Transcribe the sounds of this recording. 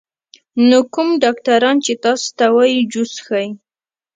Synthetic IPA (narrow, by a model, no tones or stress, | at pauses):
nokʊmɖɑkʈaɾɑnt͡ʃet̪ɑst̪awɑjid͡ʒʊsxaj